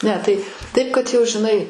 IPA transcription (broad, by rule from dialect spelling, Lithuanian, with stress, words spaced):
ˈnʲɛ tɐɪ ˈtɐɪp kɐt ˈjɛʊ ʒʲɪˈnɐɪ